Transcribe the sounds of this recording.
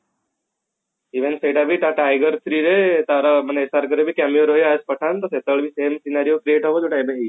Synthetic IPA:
iʋenseʈabʱiʈaʈajɡəɾt̪ʰɾiːɾet̪aɾaməneːsaɾkəɾebʱikamioɾɦojaspəʈʰant̪əset̪əɭbʱisemsinaɾijokɾieʈɦəʋod͡ʒoʈajbeɦi

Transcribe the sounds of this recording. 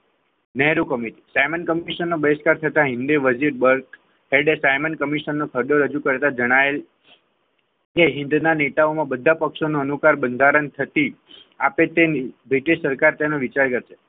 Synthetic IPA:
nɛɦɾukəmiʈi̥sajmənkəmiʃənːobəskaɾt̪ʰət̪aɦɪ̃nd̪iʋəd͡ʒiɾbəɾk | ɦeɖesajmənkəmiʃənːokʰəɾd̪oɾəd͡ʒukəɾt̪ad͡ʒəɽ̃ael | keɦɪ̃nd̪nanet̪aomãbəd̪ʱapəkʃonoənukaɾbənd̪ʱaɾənt̪ʰət̪i | apet̪ebɾiʈeʃsəɾkaɾt̪enoʋit͡ʃaɾkəɾʃʰe̥

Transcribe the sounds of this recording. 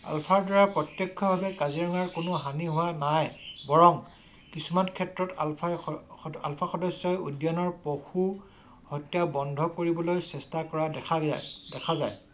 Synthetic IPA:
a̰lpʰaɹdaɹapɹɔtjɔkʰːɔbʱabɛkaziɹɔŋaɹkʊnʊɦaniɦʊwanajbɔɹɔŋ | kisumankʰɛtɹɔt | a̰lpʰaxɔdɔsːɔjudjanɔɹpoxu | hɔtjabɔndʱɔkoɹibɔlojsɛstakɔɹadɛa̰dɛkʰaza̰j

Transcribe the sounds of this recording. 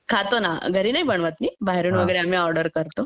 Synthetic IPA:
kʰat̪onaɡʱəɾiːnaibəɳʋat̪miːbaɦeɾuːnʋəɡəjɾeam̤iːɔɾɖəɾkəɾt̪o

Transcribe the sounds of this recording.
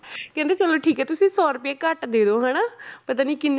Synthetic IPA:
kɛ̃nd̪eːt͡ʃəloːʈʰiːkɛːt̪ʊsĩːsɔːɾpɪeːkəʈd̪eːd̪oːɦɛːnaːpət̪ãːniːkɪnː

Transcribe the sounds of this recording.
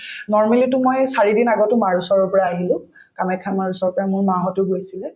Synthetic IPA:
nɔɹmɛlitʊmojsaɹidinaɡɔtʊmaɹusɔɹɔpɔɹaːɦilʊ̃ | kamɛkʰamaɹusɔɹpɔɹamʊɹmaɦɔtʊɡojsilɛ

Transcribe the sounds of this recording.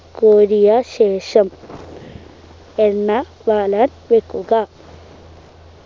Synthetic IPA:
koːɾijɐɕeːʂɐm | enːɐ | ʋaːlan | ʋekːuɡa

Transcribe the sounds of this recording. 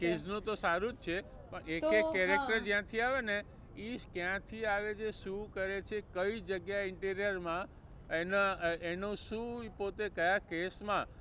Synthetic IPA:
kes̬nũt̪osaɾũd͡ʒt͡ʃʰe | pəɳekekkɛɾekʈəɾd͡ʒjãt̪ʰiaʋene | iʃkjãt̪ʰiaʋed͡ʒeʃũkəɾet͡ʃʰekəid͡ʒəɡjaɪɳʈeɾijəɾmã | enaenõʃũpot̪ekəjakesmã

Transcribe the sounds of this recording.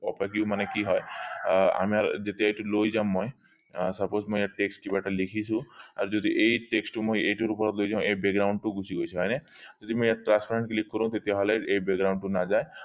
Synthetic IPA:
ɔpak̬iumanekiɦɔe | a̰miaɾd͡ʒet̪eajʈulojd͡ʒaw̃mɔj | sɔposmɔjjaɾʈeksʈkibaʈʰalikʰisʰũa̰ɾd͡ʒod̪ʱiʔejʈeksʈumojejʈuɾupɔɾɔt̪lojd͡ʒaw̃ebeɡɾawɳɖʈuɡʱusiɡojt͡ʃʰiɦɔjned͡ʒod̪ʱimɔjaʈɾãnspʰaɾeɳʈ̚kelikʰːkɔɾɔ̃w̃t̪et̪iaɦɔleejbeɡɾaw̃ɳɖʈunad͡ʒaj

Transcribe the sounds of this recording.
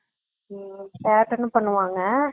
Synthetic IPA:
kaːʈːɐnːɯpɐɳːɯʋaːŋɡɐ

